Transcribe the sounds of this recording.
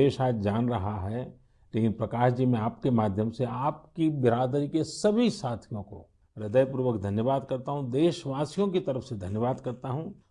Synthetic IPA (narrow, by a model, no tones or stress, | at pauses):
eːʃaːd͡ʒd͡ʒaːnɾɐɦaɦɛ | leːkɪnpɾɐkaːʃd͡ʒimẽaːpkemaːd̪ʱjəmseaːp̚kibɪɾaːd̪ɾikesɐbʱisaːt̪ʰijõko̰ | ɾɪd̪əjpuɾʋəkd̪ʱɐnjəʋaːd̪kɐɾt̪aɦũd̪eːʃʋaːsijõkit̪ɐɾəfsed̪ʱɐnjəʋaːd̪kɐɾt̪aɦũː